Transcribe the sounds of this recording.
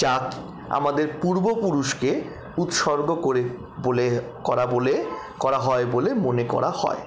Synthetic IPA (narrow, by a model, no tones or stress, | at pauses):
t͡ɕak | a̰mad̪eɾpuɾbopuɾuʃke | ut̪ʃɔɾɡʱooɾe | bole | kɔɾabole | kɔɾaɦɔebolemonekɔ̰ɾahɔ̰e